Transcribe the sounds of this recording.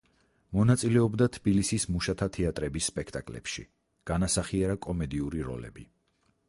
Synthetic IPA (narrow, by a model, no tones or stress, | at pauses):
mɔnat̪sʼilɛɔbd̪at̪ʰb̥ilisismuʃat̪ʰat̪ʰɛat̪ʼɾɛbisːpʼɛkʰt̪ʼakʼlɛ̰pʃḭ | ɡ̥anasaχiɛɾakʼɔmɛd̪iuɾiɾɔ̰lɛ̰bi